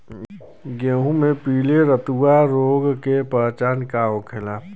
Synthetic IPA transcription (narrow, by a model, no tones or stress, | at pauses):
ɡeːɦũmẽpiːleɾət̪uwaɾoːɡkepət͡ʃaːnkaõkʰɪlaːp